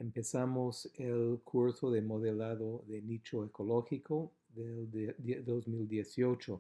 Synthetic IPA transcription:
empesamoselkʰuɾsoðemoðelaðoðenit͡ʃoekoloxikʰo | ðeld̪ozmild̪jesiot͡ʃo

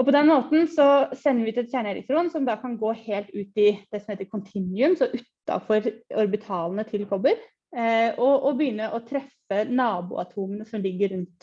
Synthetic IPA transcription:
ɔpɔd̪ɛnmoːt̪n̩sɔsɛnːəɾʋɪʉt̪ɛt̪sjæːɳəɛɾɪ̰k̚t̪ɾuːnsɔmd̪ɑːkʰɑnɡoːheːlt̪ʉːt̪ɪd̪̥ɛsɔmheːt̪əɾkʰʊnt̪ʰɪnʏʉmsɔʔʉt̪ːɑ̰fɔɾɔɾbɪt̪ʰɑːlnət̪ʰɪlkʰɔbəɾ | ɔʔɔbəjʏnːəʔɔt̪ʰɾɛfənɑːbṵːɑt̪ʰuːmənəsɔmlɪɡːəɾːʉnt̪

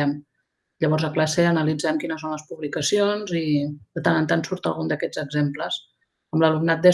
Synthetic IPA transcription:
ɛm | ʎəβɔɾzəklaseənəlid͡zɛmkinəsonləspuβlikəsionzid̪ət̪anənt̪ansuɾt̪ə̰lˠɣund̪əkɛd͡zəɡzempləs | əmləlumnat̪̚d̪e

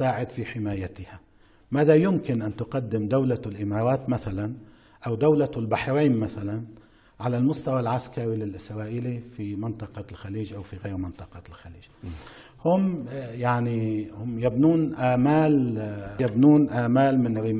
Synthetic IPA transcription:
aːʕɪd̪fiħɪmaːjat̪ɪha | maːðajʊmkɪnʔant̪ʊqɑd̪ːɪmd̪awlalʔɪmɑːɾˤɑːt̪maθalan | ʔawd̪awlalbaħɾiːnmaθalan | ʕalalmʊst̪awalʕaskaɾilɪlʔɪsɾˤɑːʔiːlifimɪnt̪ˤɑqɑlxaliːʒʔawfiɣeːɾmɪnt̪ˤɑqɑlxaliːʒ̥ | hʊmjaʕnihʊmjabnuːnʔaːmaːljabnuːnʔaːmaːlmɪnɾɪ

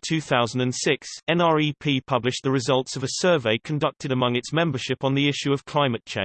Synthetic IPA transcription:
tʰʉːθaʊzə̃n̩də̃nsɪksɛ̃nɑːɹipʰiːpʰʌblɪʃðəɹɪzʌlˠtsəvəsɜːveɪkʰə̃ndʌk̚tʰɪɾəmʌ̃ŋɪtsmɛ̃mbə˞ʃɪpn̩ðiɪʃʉəv̥kʰl̥aɪ̃mətt͡ʃʰḛ̃ɪ̃n

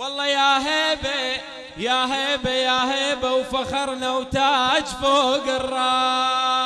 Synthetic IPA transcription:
wɑlˤːɑjaːɦeːbe | jaɦeːbejaːɦeːbawfaxɑɾˤnawt̪at͡ʃfoːɡɪrˤːɑ

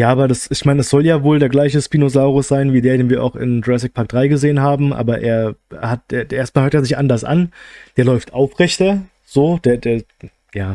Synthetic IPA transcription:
jaːʔaːbɐdasɪçmaɪnəɛsz̥ɔljaːvoːldeːɐɡlaɪçəspiːnozaʊʁʊsz̥aɪnviːdeːɐdeːnviːɐʔa̰ʊxɪ̰ndʁɛs̬ɪk̚pʰaɐk̚d̥ʁaɪɡəzeːənɦaːbm̩ʔa̰ːbɐʔḛːɐhat̚d̥eːʔeːɐst̚malhøɐt̚aɐznɪçtʔandɐsʔa̰nd̥eːɐlɔʏftʰʔaʊfʁɛçtɐ | z̥oːd̥eːɐdeːɐ | jaː

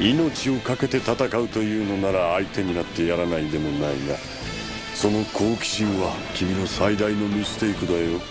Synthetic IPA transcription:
ino̞t͡ɕio̞kake̞t̪e̞t̪at̪akaɯ̟t̪o̞jɯ̟ːno̞naɾaːit̪e̞ɲ̟inat̪ːe̞jaɾanaid̪e̞mo̞naina | so̞no̞kʰo̞ːkʲi̥ɕĩɰ̃βa | kʲimʲino̞said̪aino̞mʲisɨ̥t̪e̞ikɯ̟d̪ajo̞

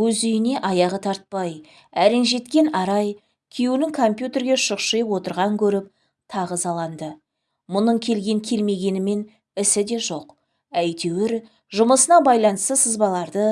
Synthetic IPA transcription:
wɵzʏjɪne̞ʔɑjɑʁət̪ʰɑɾt̪̚pɑj | æɾenʒe̞t̪kʲe̞nɑɾɑj | kʲʰijunɪŋkʰo̞mpʲjut̪ʲe̞ɾɡʲe̞ʃʊqʃəjəpwo̞t̪əɾʁɑŋkʲʰɵɾɪp̚ | t̪ʰɑʁəzɑlˠɑnd̪ə | mʊnəɴkʲʰe̞lɡʲe̞ŋkʲʰe̞lme̞ɡʲe̞nɪme̞n | ɪsɪd̪e̞ʒo̞q | æjt̪e̞wɪɾ | ʒʊməsənɑbɑjlˠɑnəst̪əsəzbɑlˠɑɾd̪ə

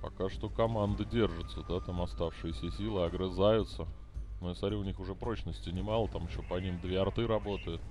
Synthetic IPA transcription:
pɐkaʂt̪o̞kɐmand̪ɨdʲe̞rʐɨt̪səd̪at̪amɐst̪afʂɨjɪsʲəsʲilˠɨɐɡɾɨzajʊt̪sə | mojsɐɾʲiʊnʲixʊʐɛpɾo̞t͡ɕnəsʲtʲɪnʲɪmalˠət̪amjɪɕːopɐnʲimd̪vʲeɐrt̪ɨɾɐbo̞t̪əjʊt̪

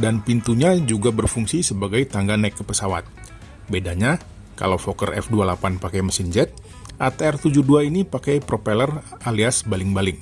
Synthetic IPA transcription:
danpint̪uɲad͡ʒuɡabərfuŋsisəbaɡajt̪aŋɡanakːəpəsawa̰t̪̚ | bedaɲa | ka̰lawfokərɛ̰fdualapanpakajməsind͡ʒɛt̪̚ | ʔat̪ɛrt̪ud͡ʒuduainipakajpɾopeləraliasbalɪŋbalɪŋ

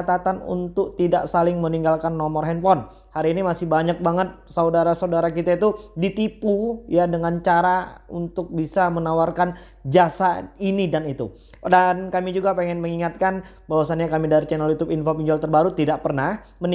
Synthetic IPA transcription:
at̪at̪anṵnt̪ʊk̚t̪idaʔsalɪŋməniŋɡalkanːɔmɔrɦɛnfɔn | haɾiːnimasɪhbaɲak̚baŋət̪̚saudaɾasaudaɾakit̪ait̪udit̪ipujadəŋant͡ʃaɾaunt̪ʊk̚bisamənawarkan | d͡ʒasainidanit̪u | dankamid͡ʒuɡapɛŋɛnməŋiŋat̪̚kan | bawasanɲakamidaɾit͡ʃɛnəljut̪ʊpinfopiɲd͡ʒɔlt̪ərbaɾut̪idaʔpərnah | mən

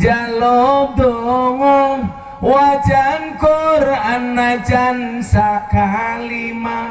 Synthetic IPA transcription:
d͡ʒalɔboŋɔŋ | wad͡ʒankoranːad͡ʒansakalima

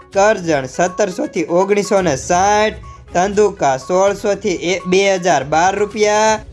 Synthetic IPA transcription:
kəɾd͡ʒəɳsət̪ːəɾsot̪ʰiʔoɡɽ̃isonesãʈʰ | t̪ənd̪ʱukasoɭsot̪ʰibeɦəd͡ʒaɾbaɾːupja

